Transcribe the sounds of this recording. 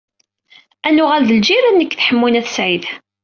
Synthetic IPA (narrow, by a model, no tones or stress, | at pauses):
ænʊʁælðəld͡ʒiɾænːəkːθħəmːinæθəsʕið